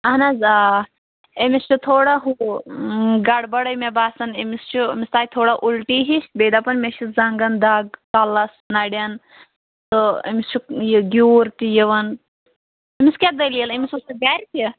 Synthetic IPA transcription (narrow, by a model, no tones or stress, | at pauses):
ɐɦnazaː | emist͡ʃʰut̪ʰoːɽaɦu | ɡɐɽbɐɽɐmebaːsɐnemist͡ʃʰumʲist̪aːit̪ʰoːɽaʔulʈiɦist̪̚beːd̪apɐnmeʃiszɐŋɡɐnd̪aːɡkalɐsnɐɽʲjɐn | t̪ɨḛmist͡ʃʰujɡʲuːɾt̪ʲijiʋɐn | emiskʲad̪ɐlijɐlemisusuɡaɾʲt̪ʲi